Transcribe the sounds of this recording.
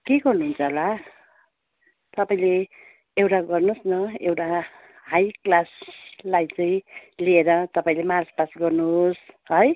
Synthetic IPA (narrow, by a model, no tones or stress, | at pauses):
keɡʌrnuɦunt͡sʰʌla | t̪ʌpaĩle | ewʈaɡʌrnosnʌewʈa | ɦajklaslajt͡sʌĩlieɾʌt̪ʌpaĩlemarspasɡʌrnusɦʌj